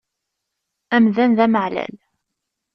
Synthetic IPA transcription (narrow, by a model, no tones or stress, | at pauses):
æmðænðæməʕlæ̰l